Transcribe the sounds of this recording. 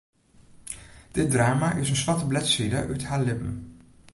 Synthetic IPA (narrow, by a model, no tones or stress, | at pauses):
d̥ɪt̚draːmaʔɪsənsʋɑtəblɛtsidəʔœthaːɹlɪpən